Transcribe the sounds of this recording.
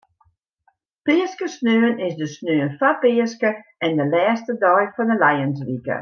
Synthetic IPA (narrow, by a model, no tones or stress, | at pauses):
pɪəskəsnøənɪsdəsnøːənfapɪəskəɛndəlɛːstədɔjfɔndəlajəns̬ʋikə̰